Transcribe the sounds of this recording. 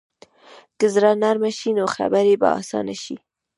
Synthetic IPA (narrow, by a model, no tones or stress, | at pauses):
kəzɾanaɾmaʃinoxa̰baɾeba̰ɑ̰sɑ̰naʃi